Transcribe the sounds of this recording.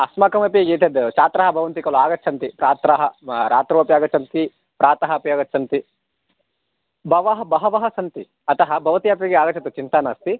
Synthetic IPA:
ɐsmaːkɐmɐpiɡeːt̪ʰed̪t͡ʃaːt̪ɾɐɦɐbʱɐʋɐnt̪ikɐluaːɡɐt͡ʃʰɐnt̪ipɾaːt̪ɾɐɦɐɾaːt̪ɾoːpjaːɡɐt͡ʃʰɐnt̪i | pɾaːt̪ɐɦɐpijaːɡɐt͡ʃʰɐnt̪i | bɐʋɐɦɐbɐɦɐʋɐɦɐsɐnt̪i | ɐt̪ɐɦɐbɐʋɐt̪ijapeɡeaːɡɐt͡ʃʰɐt̪ut͡ʃint̪aːnaːst̪i

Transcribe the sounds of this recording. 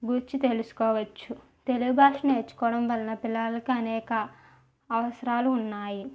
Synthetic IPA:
ɡuɾt͡ʃːit̪e̞lusu̥kɔːʋɐt͡ʃːu | t̪e̞luɡubʱaːʂɐneːɾt͡ʃːu̥kɔːɽɐmʋɐlɐnɐpilːaːlɐkiɐnɛːkɐː | ʋɐsɐɾaːluːnːaːji

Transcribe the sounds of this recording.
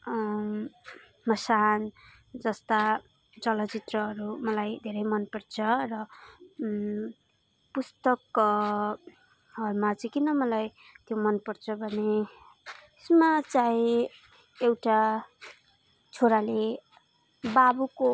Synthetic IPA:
mʌsan | d͡zʌst̪a | d͡zʌlʌt͡sit̪rʌɦʌɾumʌlajd̪ʱeɾʌjmʌnpʌrt͡sʰʌrʌ | pust̪ʌk | ʌɾumat͡sʌj̃kinʌmʌlaj | t̪jomʌnpʌrt͡sʰʌbʱʌne | esmat͡sãĩ | ewʈa | t͡sʰoɾale | babuko

